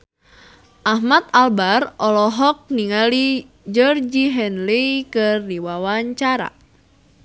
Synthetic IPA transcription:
ʔahmat̪̚albarɔlɔɦɔk̚niŋali | d͡ʒɔrd͡ʒiɦɛnlikɨrdiwawaɲt͡ʃaɾa̰

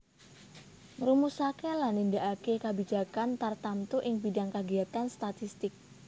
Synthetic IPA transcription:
mɾumusakelanindaʔakekabid͡ʒakant̪art̪amt̪uʔɪŋbidaŋkaɡiat̪anst̪at̪ist̪ɪk̚

